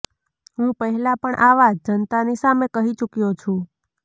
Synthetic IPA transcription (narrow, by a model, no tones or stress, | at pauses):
ɦũpəɦɛlapəɳʔaʋad͡ʒd͡ʒənt̪anisamekəɦit͡ʃukijot͡ʃʰũ